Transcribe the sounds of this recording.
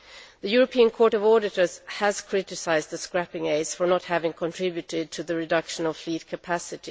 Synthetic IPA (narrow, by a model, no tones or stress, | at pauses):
ðɨjʊɹəpʰiːə̃nkʰɔːɹɾʌvɔɾɪtə˞z̥hæz̥kʰɹ̥ɪtɪsaɪzd̪ðəskɹæpɪ̃ŋeɪsfə˞nəthævɪ̃ŋkʰɔ̃ntʰɹ̥ɪbjʉtɪd̚tʰɨðɨɹɪdʌkʃə̃nəlflit̚kʰɨpʰæsɪti